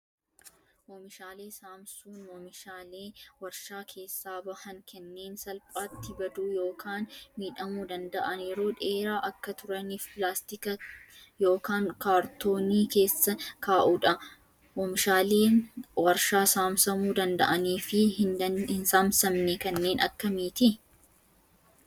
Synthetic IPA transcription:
ʔɔmɪʃaːle̞ːsaːmsuːnwɔmɪʃaːleːwɐɾʃaːkʰe̞ːsːaːbɐhɐŋkʰɛnːe̞ːnsɐlpʼaːt̪ːɪbɐd̪uːjo̞ːkaːnmiːᶑɐmuːd̪ɐnd̪ɐʔɐnjɛɾoːᶑe̞ːɾaːʔɐkːɐt̪ʊɾɐnɪfpɪlaːst̪ɪkɐjo̞ːkaːŋkaːɾt̪o̞ːniːke̞ːsːɐkʰaːʔuᶑɐ | mɔmɪʃaːleːwɐɾʃaːsaːmsɐmuːd̪ɐnd̪ɐ̰ʔɐniːfɪhɪnsaːmsɐmnɛkɐnːe̞ːnɐ̰kːɐmiːt̪ɪ

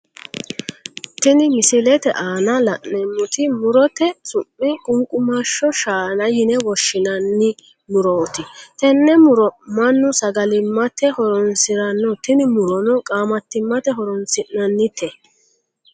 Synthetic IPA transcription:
t̪ɪnɪmɪsɪlɛt̪ɛ̰ʔaːnɐlɐʔnɛmːʊt̪ɪmʊɾɔt̪ɛsʊmːɪkʼʊŋkʼʊmaʃɔʃaːnɐjɪnɛwɔʃːɪnɐnːɪ | mʊɾɔːt̪ɪt̪ɛnːɛmʊɾɔmɐnːʊsɐɡɐlɪmːɐt̪ɛhɔɾɔnsɪɾɐnːɔt̪ɪnɪmʊɾɔnɔkʼaːmɐt̪ːɪmːɐt̪ɛɦɔɾɔnsɪʔnɐnːɪt̪ʰɛ

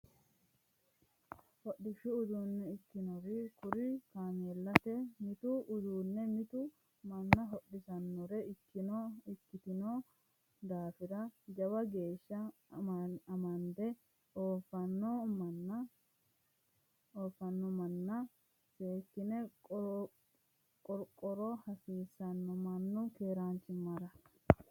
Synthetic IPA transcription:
hɔɗːɪʃːʊːzuːnːɛɪkːɪnɔɾɪkʊɾɪkaːneːlːɐt̪ɛmɪt̪ʊːzuːnːɛmɪt̪ʊ | mɐnːɐɦɔɗɪsɐnːɔɾɛɪkːɪnɔɪkːɪt̪ɪnɔ | d̪aːfɪɾɐd͡ʒɐwɐɡe̞ːʃːɐ | ɐmɐnd̪ɛ | oːfːɐnːɔmɐnːɐ | oːfːɐnːɔmɐnːɐ | seːkːɪnɛ | kʼɔɾkʼɔɾɔhɐsiːsːɐnːɔmɐnːʊkeːɾant͡ʃɪmːɐɾɐ

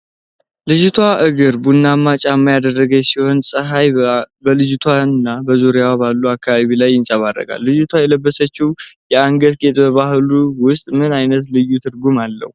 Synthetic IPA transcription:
lɨd͡ʒut̪ʰwaʔɨɡɨɾbunːamːat͡ʃʼamːajad̪ərːəɡəjɛsiho̞nsʼɨɦajbəlɨd͡ʒt̪ʰwanɨnːabəzuɾjawaβalːuakʰːaβaβilajːɪnsʼaβaɾːə̰ɡa̰lːɨd͡ʒut̪ʰwajɛləbːəsət͡ʃːiwjɛaŋɡət̪ɡe̞t̪ʼbəβahluwʊst̪ʼmɨnajnət̪lɨjːut̪ʰɨɾɡumalːə̰hu

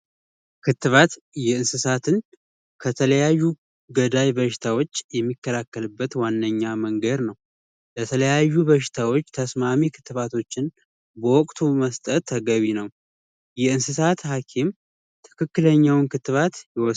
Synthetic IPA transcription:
kʰɨt̪ːɨβat̪ | jɛɨnsɨsat̪ʰɨn | kʰət̪ʰələjajːu | ɡəd̪ajbəʃɪ̥t̪ʰawo̞t͡ʃːjɛmːikːəlakːəlɨbːət̪wanːəɲːaməŋɡəd̪nəw | lət̪ʰələjajːuβəʃ̬ɪ̥t̪ʰawo̞t͡ʃːt̪ʰəsmamikʰɨ̥t̪ːɨβat̪ʰo̞t͡ʃːɪn | bəwɔkʼt̪ʰuməst̪ʼət̪ʰːəɡəβinəw | jɛɨnsɨsat̪hakʰim | t̪ʰɨ̥kʰɨkːɨləɲːawnkʰɨt̪ːɨβat̪jɛwɔ

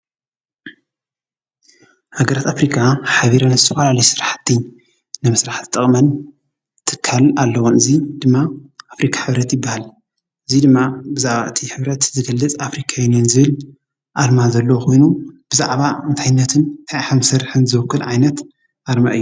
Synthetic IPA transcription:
haɡɐɾat̪afɾikʰaħaβiɾanzɨt̪ʰɐfɐlalɐjsɨɾaħt̪ʰːi | nɨmɨsɾaħt̪ʰt̪ʼːɐχʼmɐn | t̪ʰɨkʰːalalːɐwonɨzid̪ɨmːaʔafɾikʰḁħɨβɾɐt̪jɪbːahal | ʔɨzid̪ɨmːabɨzaʕβaʔɨt̪ʰiħɨβɾɐt̪zɨɡɐlːɨt͡sʼafɾikʰajɛnenzɨβɨl | ʔaɾmazɐlːɐwkʰo̞jnub̥ɨza̰ʕβaɨnt̪ʰajɪnːɐt̪ʰɨnt̪ʰajħamsɐɾħɨnzɨwɨkːɨlʕajnɐt̪ | ʔaɾma̰ʔɨjːu

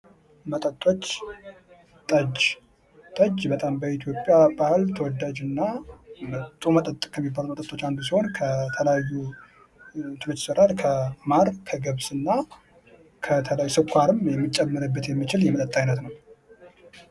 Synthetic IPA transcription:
mət̪ʼət̪ʼːo̞t͡ʃː | t̪ʼəd͡ʒ | t̪ʼəd͡ʒbət̪ʼambəit̪ʰjo̞pʼːjabahɨlt̪ʰəwɔd̪ːad͡ʒɨnːamət̪ʼumət̪ʼət̪ʼːɨkʼʰjɛmːibːalutmət̪ʼət̪ʼːo̞t͡ʃːand̪us̬iho̞nkʰət̪ʰələjajːu | t̪ʰɨlɨt͡ʃsəɾalkʰəmaɾkʰəɡəβsɨnːa | kʰət̪ʰələjajusɨkʰʷːaɾɨmjɛmːit͡ʃʼːɛmːəɾɨbːət̪jɛmːit͡ʃɪljɛmət̪ʼət̪ʼːajnət̪nəw

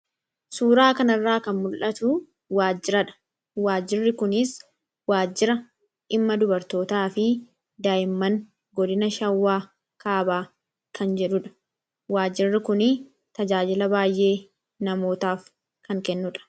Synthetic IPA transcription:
suːɾaːkɐnɐrːaːkɐnmʊlʔɐt̪ʊ | waːd͡ʒːɪɾɐᶑɐ̥ | waːd͡ʒːɪrːɪkʊnɪs | waːd͡ʒːɪɾɐ | ʔɪmːɐd̪ʊbɐɾt̪o̞ːt̪aːfɪ | d̪aːjɪmːɐn | ɡɔd̪ɪnɐʃɐwːaː | kʰaːbaː | kʰɐnd͡ʒɛᶑʊᶑɐ̥ | waːd͡ʒːɪrːɪkʊnɪ | t̪ɐd͡ʒaːd͡ʒɪlɐbaːjʔe̞ː | nɐmo̞ːt̪aːf | kɐŋkɛnːʊᶑɐ̥

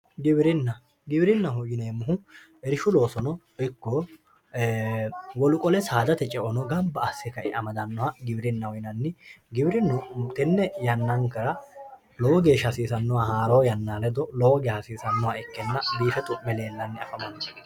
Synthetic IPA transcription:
ɡɪbɾɪnːɐ | ɡɪbɪɾɪnːɐɦʊjɪneːmːʊɦʊ | ɛɾɪʃʊlo̞ːsɔnɔ | ɪkːɔ | wɔlʊkʼɔlɛsaːd̪ɐt̪ɛt͡ʃʼɛʔɔnɔɡɐbːɐːsːɛkɐʔɪɐmɐd̪ɐnːɔhɐɡɪbɪɾɪnːɐhɔjɪnɐnːɪɡɪbɪɾɪnːɔt̪ɛnːɛjɐnːɐŋkɐɾɐ | lɔwɔɡeːʃɐsiːsɐnːɔwahaːɾɐjɐnːaːlɛd̪ɔlɔwɔɡɛhɐsiːsɐnːɔwaɪkːɛnːɐbiːfɛt̪ʊmɛle̞ːlːɐnːɪɐ̰fʼɐmɐnɔ

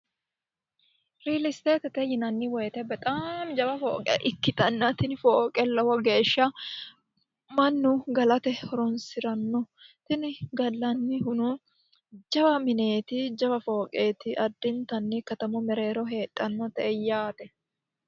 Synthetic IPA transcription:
ɾiːlɪst̪eːt̪ɛt̪ɛjɪnɐnːɪwɔjt̪ɛbːɛt̪ʼaːmd͡ʒɐbɐfo̰ːkʼɛ̰ʔɪkːɪt̪ʼɐnːɐt̪ɪnɪfoːkʼɛlːɔhɔɡe̞ːʃːɐ | mɐnːʊɡɐlɐt̪ɛhɔɾɔnsɪɾɐnːɔ | t̪ɪnɪɡɐlːɐnːɪɦʊnʊ | d͡ʒɐbɐmɪne̞ːt̪ɪd͡ʒɐbɐfo̞ːkʼeːt̪ɪʔɐd̪ːɪnt̪ɐnːɪkɐt̪ɐmɔmɛɾe̞ːɾɔɦe̞ːtʼːɐnːɔt̪ɛʔɛjːaːt̪ɛ

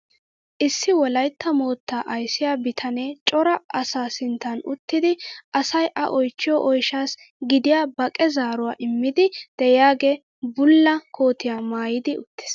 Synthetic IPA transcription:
ʔɪsːɪwɔlɐjt̪ːɐmo̞ːt̪ːaːʔɐjsɪjaːbɪt̪ʰɐneːt͡ʃʼɔɾɐɐsaːsɪnt̪ːɐnʊt̪ːɪd̪ɪʔɐsɐjʔɐ̰ʔɔjt͡ʃːɪjɔʔɔjʃaːs | ɡɪd̪ɪjaːbɐkʼɛzaːɾʊwaːʔɪmːɪd̪ɪd̪̥ɛjaːɡe | bʊlːɐkʰo̞ːt̪ɪjaːmaːjɪd̪ɪʊ̰t̪ːɪ̥s

